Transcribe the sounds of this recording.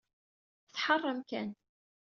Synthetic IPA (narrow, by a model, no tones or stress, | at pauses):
θθħɑrˤːəmkæn